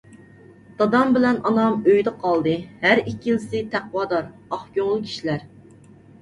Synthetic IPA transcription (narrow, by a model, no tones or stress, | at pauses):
t̪ɑd̪ɑmbɪlɛnɑnɑmøjd̪ɨqʰɑlˠd̪ɨhæɾikʲːijilsɪt̪ʰæqwɑːd̪ɑɾɑχkʲoŋlˠɨkʲʰi̥ʃilæɾ